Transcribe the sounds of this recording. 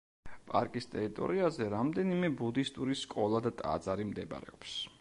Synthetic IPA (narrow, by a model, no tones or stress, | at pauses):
pʼa̰ɾkʼist̪ʼɛɾit̪ʼɔ̰ɾiazɛɾamd̪ɛnimɛbud̪ist̪ʼuɾiskʼɔlˠad̪at̪ʼa̰d̪zaɾimd̪ɛba̰ɾɛ̰ɔps